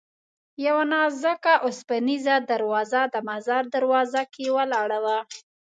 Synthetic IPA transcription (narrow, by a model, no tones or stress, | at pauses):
jawanɑzəkaʔʊspanizad̪aɾwɑzad̪əmazɑɾd̪aɾwɑzakewəlɑɽawa